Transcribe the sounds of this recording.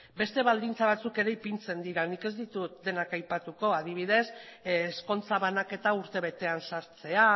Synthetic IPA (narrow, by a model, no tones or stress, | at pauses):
be̞st̪e̞βald̪int͡saβ̞at͡suke̞ɾe̞ipint͡se̞nd̪iɾanike̞zd̪it̪ut̪̚d̪e̞nakajpat̪uko̞að̞iβ̞ið̞e̞sːsko̞nt͡saβanake̞t̪auɾt̪e̞β̞e̞t̪e̞ansaɾt͡se̞a